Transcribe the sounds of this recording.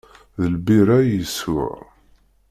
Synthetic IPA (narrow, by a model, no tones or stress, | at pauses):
ðəlbiɾajəsʊ̰ʕ